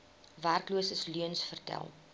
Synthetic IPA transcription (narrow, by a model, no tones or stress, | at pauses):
værkluəsəslyənsfərtæ̰lˠ